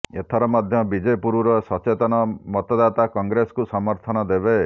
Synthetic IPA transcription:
et̪ʰɔɾɔmɔd̪ʱjɔbid͡ʒepuɾuɾɔsɔt͡ʃet̪ɔnɔmɔt̪ɔd̪at̪akɔŋɡɾesɔ̥kusɔmɔɾt̪ʰɔnɔd̪ebe

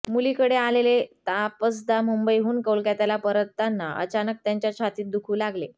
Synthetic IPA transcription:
mulikəɽealelet̪apəs̬d̪amumbəjɦuːnkəwlkjat̪jalapəɾət̪ːanːaʔə̰t͡ɕanək̚t̪jaɲt͡ɕjat͡ɕʰat̪iːt̪̚d̪ukʰuːlaɡle

